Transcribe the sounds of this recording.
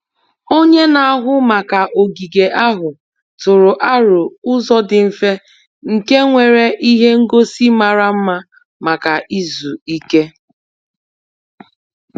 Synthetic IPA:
o˦ɲe˦na˨a˦ɦʊ˦ma˨ka˨ʔo˨ɡi˨ɡe˨ʔa˦ɦʊ˨ | tʊ˨ɾʊ˨ʔa˦ɾʊ˨ʊ˦zɔ˦dɪ˨m̩˨fe˦ | ŋ̩˨ke˦ŋʷe˨ɾe˦ʔi˦ɦe˦ŋ̩˦ɡo˦si˦ma˨ɾa˦m̩˦ma˦ | ma˨ka˨ʔi˦zu˨i˦ke˦

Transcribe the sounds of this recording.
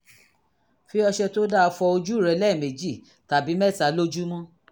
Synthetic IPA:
fi˦ɔ˧ʃɛ˧to˦da˦˧fɔ˧o˧d͡ʒu˦˨ɾɛ˨˦lɛ˦˨mẽ˨d͡ʒi˦˨ | ta˨bi˨˦mɛ˦˨ta˨˦lo˦d͡ʒu˦mɔ̃˦

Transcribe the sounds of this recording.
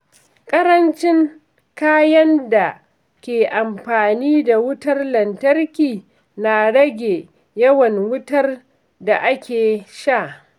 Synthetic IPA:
kʼɐ˦ɾɐ˦nt͡ʃɪ˦ŋ | kaː˦jɐ˦nda˨ | kʲeː˨ʔa˨mɸaː˨niː˦da˨wʊ˦tɐ˦rlɐ˨ntɐ˦rkʲiː˨ | na˨ɽɐ˦ɡʲeː˨ | jɐ˦wɐ˨ŋwʊ˦tɐ˦r | da˨ʔa˦kʲʰeː˨ʃa˦˨ʔ

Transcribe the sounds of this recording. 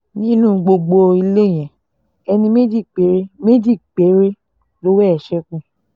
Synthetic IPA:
nĩ˦nũ˦˨ɡ͡bo˧ɡ͡bo˧i˧le˦˨j̃ɛ̃˨ | ɛ˧nĩ˧me˦d͡ʒi˦˨k͡pe˨˦ɾe˦me˦d͡ʒi˦˨k͡pe˨˦ɾe˦ | lo˦wɛ˦ɛ˨ʃɛ˧kũ˦˨

